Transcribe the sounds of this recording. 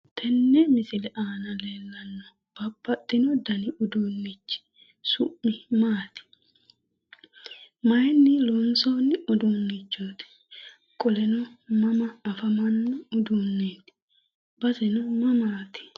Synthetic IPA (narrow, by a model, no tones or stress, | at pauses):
t̪ʰɛnːɛmɪsɪlɛʔaːnɐle̞ːlːɐnːɔ | b̥ɐbːɐt̪ʼːɪnɔd̪ɐnɪʊd̪uːnːɪt͡ʃːɪ̥ | sʊʔːɪmaːt̪ɪ̥ | mɐjnːɪlɔnsoːnːɪʊd̪uːnːɪt͡ʃːoːt̪ɛ̥ | kʼɔlɛnɔmɐmɐːfɐmɐnːɔʊd̪unːeːt̪ɪ̥ | bɐsɛnɔmɐmaːt̪ɪ̥